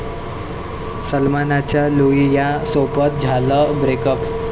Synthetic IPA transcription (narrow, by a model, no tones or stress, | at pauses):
səlmanat͡ɕjaluijasopət̪̚d͡zʱaləbɾekəp